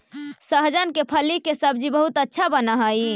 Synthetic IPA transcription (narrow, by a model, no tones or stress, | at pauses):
səɦd͡ʒənkepʰəlikesəb̚d͡ʒibəɦut̪ətːʃʰabənəɦəji